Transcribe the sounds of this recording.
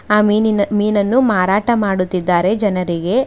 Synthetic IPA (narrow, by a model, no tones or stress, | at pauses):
aːmiːnɐnːumaːɾaːʈɐmaːɽut̪ːid̪ːaːɾe̞d͡ʒɐnɐɾiɡe̞